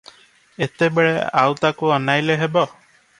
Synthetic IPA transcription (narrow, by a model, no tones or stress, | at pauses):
et̪ebeɭḛa̰wt̪akuɔnajleɦebɔ